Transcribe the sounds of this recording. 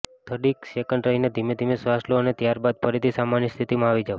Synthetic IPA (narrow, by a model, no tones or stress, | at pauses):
t̪ʰəɖiksekəɳɖɾəɦined̪ʱimed̪ʱimesʋasloənet̪jaɾbad̪̚pəɾit̪ʰisamanjist̪ʰit̪imãaʋid͡ʒa